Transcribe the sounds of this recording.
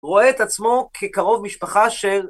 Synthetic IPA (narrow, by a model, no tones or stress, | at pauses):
ʁo̞eːt̪at͡smo̞kʰekaʁo̞vmiʃpaχaʃel